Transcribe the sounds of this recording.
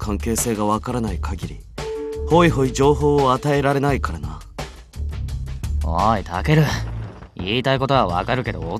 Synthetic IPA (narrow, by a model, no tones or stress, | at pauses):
kʰãŋke̞ːse̞ːɡaβakaɾanaikʰaɡʲiɾʲḭ | ho̞iɦo̞id͡ʑo̞ːɦo̞ːat̪ae̞ɾaɾe̞naikaɾana | o̰it̪ʰake̞ɾɯ̟ | iːt̪aiko̞t̪o̞βaβa̰kaɾɯ̟ke̞d̪o̞ː